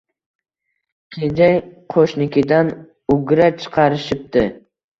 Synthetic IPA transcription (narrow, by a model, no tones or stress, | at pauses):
kʲʰed͡ʒajqʰoʃnɪkʲʰɪd̪an | ʊɡʲɾat͡ʃʰɨ̥qʰɑɾɪʃɪp̚t̪ɪ